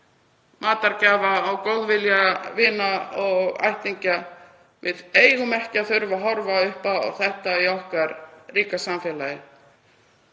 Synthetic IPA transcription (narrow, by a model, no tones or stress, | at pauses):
maːt̪aɾcaːvaːɣkowðvɪljavɪːnaɔɣa̰jht̪iɲca | vɪðeːjɣʏmɛhcaθʏɾvaɦɔɾvaʏhpaɔ̰ɣθɛht̪aiɔhkaɾriːkasamfjɛːlajɪ